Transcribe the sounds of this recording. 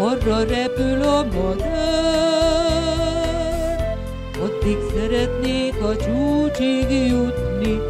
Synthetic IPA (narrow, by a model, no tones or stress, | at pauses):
ɔrːɔɾɛpylɔmɔd̪ | ɒd̪ːiksɛɾɛt̪neːkɒt͡ʃuːt͡ʃiɡjut̪ni